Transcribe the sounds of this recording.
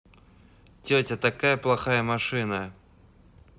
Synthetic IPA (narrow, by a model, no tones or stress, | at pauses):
tʲɵtʲət̪ɐkajəplˠɐxajəmɐʂɨnə